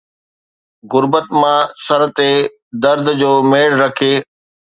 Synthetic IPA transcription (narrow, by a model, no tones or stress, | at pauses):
ɣʊɾbət̪mãːsɐɾ̆t̪e | d̪ɐɾd̪ʱd͡ʑoːmeːɽɾɐkʰeː